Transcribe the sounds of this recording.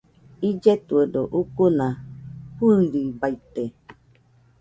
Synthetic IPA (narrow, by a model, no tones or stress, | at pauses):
id͡ʒɛtuədɔʔukunahuldibaite